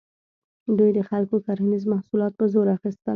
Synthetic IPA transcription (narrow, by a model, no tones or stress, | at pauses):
d̪ujd̪əxalkokɑɾanizmahsulɑt̪̚pəzoɾaxist̪ə